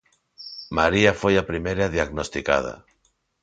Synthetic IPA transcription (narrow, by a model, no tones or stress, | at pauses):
maɾiafojapɾimeɾaðiaɣnost̪ika̰ð̞a̰